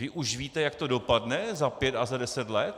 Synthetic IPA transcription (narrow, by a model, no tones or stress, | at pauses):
vɪʔuʒviːt̪ɛjakt̪o̞do̞padnɛzapjɛt̪azadɛsɛt̪lɛt̪